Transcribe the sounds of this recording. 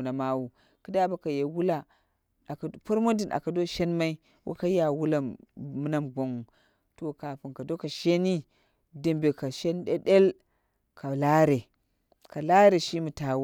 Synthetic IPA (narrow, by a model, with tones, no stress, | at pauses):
na˨ma˦wu˨ | ki˦da˦ba˦ka˨je˨wu˦la˨ | pu˦ɾmo˦di˨nʔa̰˨ka˨do˦ʃe˦nma˦i˦ | wʔo̰˦ka˦ja˨wu˦la˦mɨ˦na˦mɡo˨ŋu˨ | to˨ka˨pi˨ŋka˨do˦ka˨ʃe˦ni˦ | di˨mbe˨ka˨ʃe˦nɗe˦ɗe˦l | kʰa˨la˦ɾe˨ | ka˨la˦ɾe˨ʃi˦mu˨ta˨w